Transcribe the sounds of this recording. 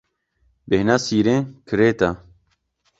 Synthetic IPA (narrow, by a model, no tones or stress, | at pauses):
behnaːsiːɾẽkʰɨɾeːt̪a